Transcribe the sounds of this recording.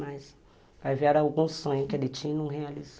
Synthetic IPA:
majs | vajvɛɾawɡũsõɲʊkedeɪt͡ʃĩnũɦealiz

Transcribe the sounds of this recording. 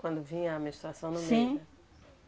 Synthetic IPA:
kwɐ̃nd̪ʊvĩɲɐːmeʃt̪ɾasɐ̃w̃nʊsmẽɐ

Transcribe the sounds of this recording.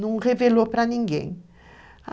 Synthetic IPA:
nɐ̃w̃ʁevelopɾɐnĩŋɡḛ̃j̃

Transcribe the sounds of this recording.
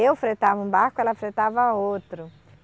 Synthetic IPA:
ewfɾet̪avɐũbaɾkʊɛlɐfɾet̪avɐot̪ɾʊ

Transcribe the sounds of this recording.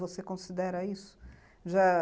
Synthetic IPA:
vosekõsid̪ɛɾɐisʊ̥ | ʒa

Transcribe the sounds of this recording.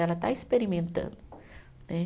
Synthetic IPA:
ɛlɐt̪aispeɾimẽnt̪ɐ̰̃d̪ʊ | nɛ

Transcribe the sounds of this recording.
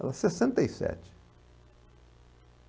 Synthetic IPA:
ɛlɐsesẽnt̪ɐisɛ̰t͡ʃɪ̥

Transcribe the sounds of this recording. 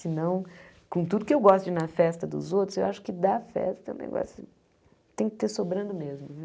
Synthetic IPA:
sɪnɐ̃w̃ | kõt̪ud̪ʊkɪewɡɔst̪ʊd͡ʒɪnɐfɛst̪ɐd̪ʊ̰zowt̪ɾʊ̥zewʔaʃʊ̥kɪd̪afɛ̰st̪ɐɛũnḛɡɔ̰sʊ | t̪ẽj̃kɪ̥t̪esobɾɐ̃d̪ʊmezmʊv

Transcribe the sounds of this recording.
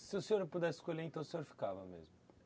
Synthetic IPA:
sɪʊsẽoɾpud̪ɛsɪ̥skoʎeɾẽt̪ɐ̃w̃ʊsẽɲoɾfi̥kavɐmḛzmʊ

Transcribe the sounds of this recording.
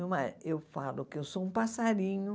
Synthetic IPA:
ewmãewfalʊkɪewsoũpasaɾĩɲʊ

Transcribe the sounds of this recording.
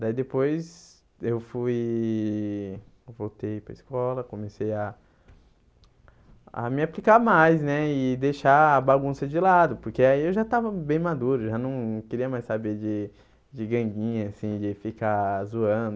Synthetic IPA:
d̪aid̪epojz | ewfuj | vowt̪ejpɾɐiskɔlɐkõmesejɐ | a̰mɪaplikamajznɛɪd̪ejʃaːbaɡũsɐd͡ʒɪlad̪ʊpoɾkeaiewʒat̪avɐbẽj̃mad̪uɾʊewʒanɐ̃w̃ñkɪɾiɐmajssabed͡ʒɪ | d͡ʒɪɡɐ̃ɡĩɲɐːsĩd͡ʒɪfikazuɐ̃d̪ʊ

